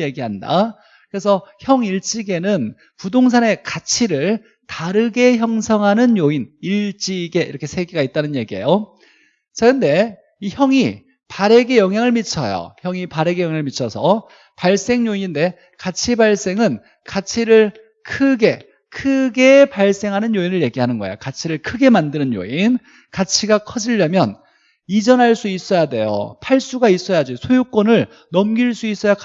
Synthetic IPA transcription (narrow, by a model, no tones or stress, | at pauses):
je̞ɡiɦanda̰ | kɯɾes̬ʰʌçjʌŋiɭt͡ɕ͈iɡe̞nɯn | pudoŋs̬ʰane̞kat͡ɕʰiɾɯɭ | taɾɯɡe̞çjʌŋsʰʌŋɦanɯnjoiniɭt͡ɕ͈iɡe̞ḭɾʌkʰe̞sʰe̞ɡiɡait̚t͈anɯnje̞̰ɡiḛjo | t͡ɕaɯnde̞ | içjʌŋi | paɾe̞ɡe̞jʌŋɦjaŋɯɭmit͡ɕʰʌ̰jo̰çjʌŋipaɾe̞ɡejʌŋjaŋɯɭmit͡ɕʰʌsʰʌ | paɭs͈e̞ŋjoiɲinde̞ | kat͡ɕʰibaɭs͈e̞ŋɯn | kat͡ɕʰiɾɯɭ | kʰɯɡe̞ | kʰɯɡe̞paɭs͈e̞ŋɦanɯnjoinɯɭje̞ɡiɦanɯnɡʌejokat͡ɕʰiɾɯɭkʰɯɡe̞mandɯnɯnjo̰in | kat͡ɕʰiɡakʰʌd͡ʑiʎːamjʌn | id͡ʑʌnɦaɭs͈uis͈ʌjade̞jo̰pʰaɭs͈uɡais͈ʌjad͡ʑisʰojuk͈wonɯɭ | nʌmɡiɭs͈uis͈ʌja